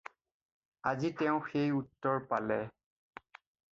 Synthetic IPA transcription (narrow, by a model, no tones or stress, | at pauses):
azitɛʊ̃xejutːɔɹpalɛ